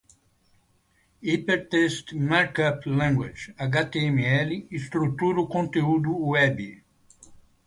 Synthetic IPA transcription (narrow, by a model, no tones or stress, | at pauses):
ipeɾt̪est̪maɾkaplɛ̃ŋɡwa̰d͡ʒaɡat̪eẽmiɛliist̪ɾut̪uɾʊkõnt̪eud̪ʊwɛbi